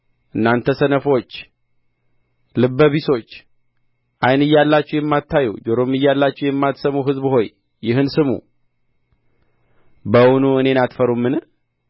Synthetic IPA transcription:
ʔɨnːant̪ʰəsənəfo̞t͡ʃː | lɨbːəβiso̞t͡ʃː | ʔajnɨjːalːat͡ʃːɛwjɛmːat̪ːajɛd͡ʒoɾo̞mɨjːalːat͡ʃːɛwjɛmːat̪səmuɦɨzbho̞jː | ɪɦɨnsɨmṵ | bəwunuɨne̞nat̪fəɾumːɨn

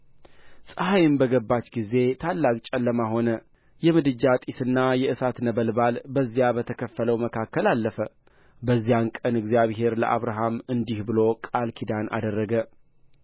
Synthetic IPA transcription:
sʼɨɦajɪmbəɡəbːat͡ʃɡize̞t̪ʰalːakʼt͡ʃʼɛlːəmaɦo̞nə | jɛmɨd̪ɨd͡ʒat̪ʼisɨnːajɛʔɨsat̪nəβəlbalbəzːijabət̪ʰəkʰəfːələwməkʰakːəlalːəfə | bəzːijankʼənɨɡzijaβɦe̞ɾlə̰ʔa̰βɾaɦamɨnd̪ihbɨlo̞kʼalkʰid̪anʔa̰d̪ərːəɡə

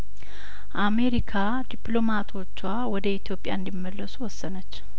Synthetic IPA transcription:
ʔame̞ɾikʰa | d̪ipʼlo̞mat̪ʰo̞t͡ʃːwawɔd̪əit̪ʰjo̞pʼja̰ɨnd̪imːəlːəsuwɔsːənət͡ʃː

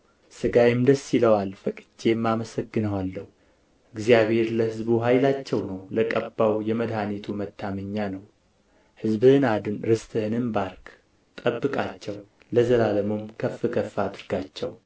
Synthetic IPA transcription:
sɨɡajɪmd̪əsːiləwalfəkʼt͡ʃːemːaməsəɡːɨnəwalːəhu | ʔɨɡzijaβhe̞ɾləhɨzbuɦajlat͡ʃːɛwnəwləkʼəbːawjɛməd̪hanet̪ʰumət̪ʰːaməɲːanəw | hɨzbɨhɨnad̪ɨnɾɨst̪ʰʼɨhɨnɨnbaɾk | t̪ʼəbːɨkʼat͡ʃːɛw | ləzəlaləmomkʰəfɨkʰəfːad̪ɨɾɡat͡ʃːɛ̰w

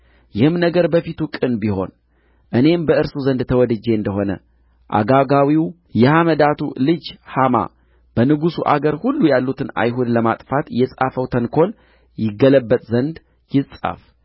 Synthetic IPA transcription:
jɪhɨmnəɡəɾbəfit̪ukʼɨnbiho̞̰n | ʔɨne̞mbəʔɨɾsuzənd̪t̪ʰəwɔd̪ɨd͡ʒːeɨnd̪əɦo̞nə̰ | ʔa̰ɡaɡawiw | jɛhaməd̪at̪ʰulɨd͡ʒhama̰ | b̥ənɨɡusuʔaɡəɾhulːujalːut̪ʰɨna̰jɦud̪ləmat̪ʼfat̪jɛsʼafəwt̪ʰənkʰo̞l | jɪɡːələbːət̪ʼzənd̪ | jɪsʼa̰f

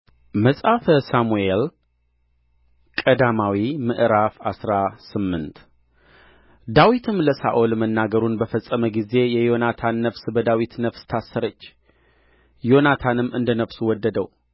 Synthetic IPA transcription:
məsʼafəsamuel | kʼəd̪amawimɨʔɾafasɾasɨmːɨnt̪ | d̪awit̪ʰɨmləsa̰ʔolmənːaɡəɾunbəfəsʼːəməɡize̞jɛjo̞nat̪ʰanːəfsbəd̪awit̪nəfst̪ʰasːəɾət͡ʃː | jo̞nat̪ʰanɨmɨnd̪ənəfsuwɔd̪ːəd̪əw

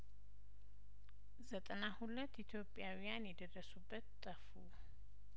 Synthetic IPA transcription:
zət̪ʼənahulət̪ːit̪ʰjo̞pʼɪjawijanjɛd̪ərːəsubːət̪t̪ʼːəfu

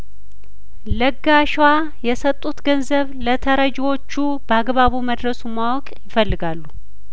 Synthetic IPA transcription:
ləɡːaʃwa | jɛsət̪ʼːut̪ɡənzəβlət̪ʰəɾəd͡ʒwo̞t͡ʃːu | bəaɡβaβuməd̪ɾəsumawɔkʼjɪfəlːɨɡalːu

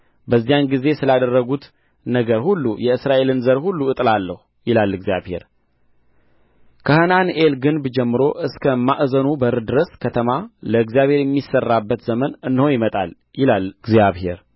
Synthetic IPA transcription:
bəzːijanɡize̞sɨlad̪ərːəɡut̪ | nəɡəɾhulːujɛɨsɾaʔe̞lɨnzəɾhulːuɨt̪ʼlalːəhu | jɪlalːɨɡzja̰βhe̞̰ɾ | kʰəhənanelɡɨnbd͡ʒɛmːɨɾo̞ʔɨskʰəmaʔzənubəɾɨd̪ɨɾəskʰət̪ʰəmaləɨɡzijaβhe̞ɾjɛmːisːərːabːət̪zəmənɨnːho̞jɪmət̪ʼa̰l | jɪlalɡzijaβhe̞̰ɾ

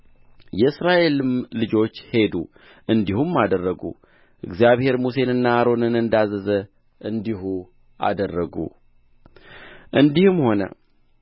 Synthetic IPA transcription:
jɛɨsɾaʔe̞lɨmlɨd͡ʒo̞t͡ʃːhe̞d̪ṵ | ʔɨnd̪ihumːad̪ərːəɡṵ | ʔɨ̰ɡzijaβhe̞ɾmuse̞nɨnːaːɾo̞nɨnɨnd̪azəzə | ʔɨnd̪ihu | ʔa̰d̪ərːəɡṵ | ʔɨnd̪ihɨmho̞nə̰

